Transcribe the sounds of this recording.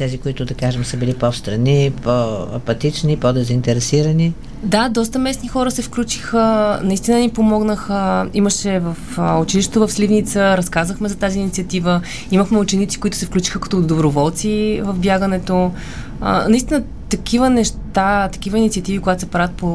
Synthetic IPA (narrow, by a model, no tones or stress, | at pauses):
t̪ɛzikoit̪ʊd̪ɐkaʒɛmsəbilipofst̪ɾɐnipoɐpɐt̪it͡ʃnipod̪ɛzint̪ɛɾɛsiɾəni | d̪ad̪ɔs̬t̪əmɛsnixɔɾəsɛfklʲut͡ʃi̥xənɐist̪inənipomɔɡnəxəiməʃɛvəfʊt͡ʃiliʃt̪ɛt̪ovəfslʲivnit̪səɾɐskazvəxmɛzɐt̪aziːnit̪siət̪ivə | iməxmɛut͡ʃɛnit̪si̥kʊit̪ʊsɛfklʲut͡ʃi̥xəkɐ̥t̪ɔːd̪d̪obɾovɔlˠt̪sivəvbjaɡənɛt̪o̰ | nɐist̪inə | t̪ɐkʰivənɛʃt̪at̪ɐ̥k̟ivəinit̪siɐt̪ivikoɡat̪ʊ̥sɐpɾavʲət̪̚po